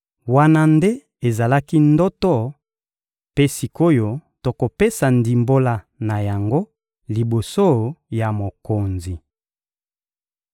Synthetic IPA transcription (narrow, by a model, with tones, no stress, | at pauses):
wa˦na˦nde˦ | e˨za˨la˦ki˦ndɔ˦tɔ˦˨ | pe˦si˨ko˦jo˨to˨ko˨pe˦sa˨ndi˨mbo˦la˨ | na˨ja˨ŋɡo˦ | li˨bo˨so˦ja˨mo˨ko˨nzi˨